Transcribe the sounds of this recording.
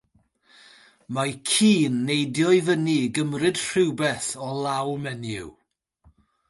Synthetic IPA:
makʰiːnːejdjɔɨvəniɡəmrɨd̥r̥ɪwbɛθɔlˠawmɛnjṵw

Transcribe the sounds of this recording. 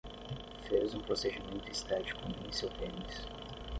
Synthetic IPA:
fezũpɾosed͡ʒimẽnt̪ʊist̪at͡ʃi̥kʊĩẽj̃sewp̪ẽnis

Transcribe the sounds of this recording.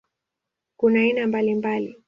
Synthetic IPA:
kunainambalimbali

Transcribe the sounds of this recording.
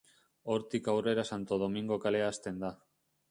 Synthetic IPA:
o̞ɾt̪ikawre̞ɾasant̪o̞ð̞o̞miŋɡo̞kale̞aːst̪e̞nd̪a

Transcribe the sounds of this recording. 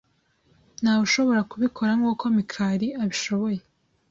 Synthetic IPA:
n̥haːuʃo̞βo̞ɾakuβikʰo̞ɾaŋɡuːkʰo̞mikʰaːɾiʔaβiʃo̞βo̞je̞

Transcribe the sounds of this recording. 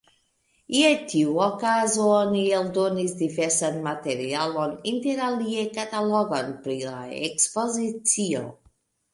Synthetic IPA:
iat̪ʰiwɔkazoɔnielˠd̪onizd̪ivɛsanmat̪eɾialɔnint̪eɾaliekat̪alɔɣanpɾila̰ḛkspozit͡sio̰

